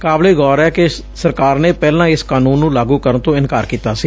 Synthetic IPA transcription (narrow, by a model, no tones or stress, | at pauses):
kaːbleːɡɔːɾɛːkɪ | səɾkaːɾnẽːpɛːlãːɪskaːnũːnːũːlaːɡũːkəɾənt̪õːɪnkaːɾkiːt̪aːsiː